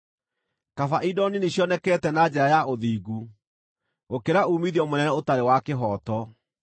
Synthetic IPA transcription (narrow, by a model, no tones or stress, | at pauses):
kafaʔidɔniniɕjɔnɛkɛːtɛnad͡ʑɛɾajaʔoðiːɡu | okeɾauːmiðiɔmonɛnɛotaɾewakeɦɔtɔ